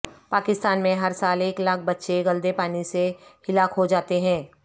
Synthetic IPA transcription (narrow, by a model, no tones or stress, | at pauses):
paːkɪst̪aːnmẽɦɐɾsaːleːklaːk̚ʰbɐtːʃeɡɐld̪epaːnisehɪlaːkɦod͡ʒaːt̪eɦɛ̃ː